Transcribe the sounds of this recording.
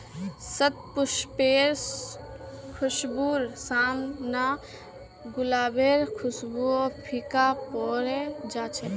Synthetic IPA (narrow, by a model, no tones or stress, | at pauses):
sət̪̚pʊʃpeːɾ | kʰʊʃbuːɾsaːmnaː | ɡʊlaːbeːɾkʰʊsbuopʰikaːpɔːɾed͡ʒaːt͡ʃʰe